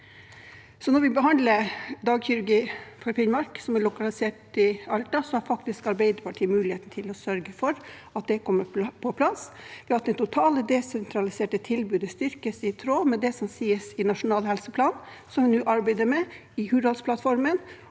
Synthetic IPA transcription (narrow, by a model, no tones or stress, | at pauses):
sɔnɔɾʋɪbəɦɑnd̪ləd̪ɑːɡçʏɾʉɾɡiːfʰɔɾfɪnmɑɾksɔmɛɭʊkɑlɪseːʈɪɑlʈ̪ɑsɔhɑɾfɑk̚t̪ɪskɑɾbeɪd̪əɾpʰɑʈʰiːəmʉːlɪheːt̪nət̪ʰɪlɔsœɾɡəfɔɾɑt̪̚d̪ɛkʰɔmːəpʰɔpʰlɑsʋɪɑt̪d̪ɛt̪ʰʊt̪ʰɑːləd̪ɛsɛnt̪ʰɾɑlɪseːʈət̪ʰɪlbʉːd̪əst̪ʏɾkəsɪt̪ʰɾoːmɛd̪ɛsɔmsiːəsɪnɑʂʊnɑːlhɛlsəpʰlɑːn | sɔmʋɪnuːʔɑɾbæɪd̪əɾmɛ | ɪhʉːɾɑlspʰlɑt̪fɔɾmən